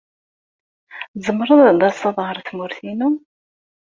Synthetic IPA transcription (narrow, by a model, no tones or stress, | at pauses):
zəmːəɾˤənd̪æsɑðˤʁəɾˤθmuɾθinu